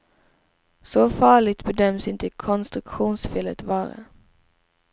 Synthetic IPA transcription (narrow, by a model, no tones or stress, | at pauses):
sɔfɑːɭɪt̪bəd̪œmsɪnt̪əkʰɔnst̪ɾʉkɧuːnsfɪlət̪ʋɑːɾə̰